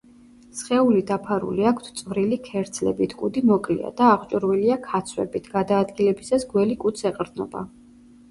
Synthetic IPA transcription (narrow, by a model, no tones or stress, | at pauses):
sχɛulid̪apʰaɾṵliakʰt̪ʰt̪sʼvɾilikʰɛɾd̪zʰlɛ̰bit̪ʰkʼud̪imɔkʼlḭa̰d̪aːʁt͡ʃʼɾwiliakʰat̪sʰwɛ̰bit̪ʰɡ̥ad̪aːd̪ɡilɛbisasɡwɛlikʼut̪sʰɛqʼɾd̪nɔ̰ba̰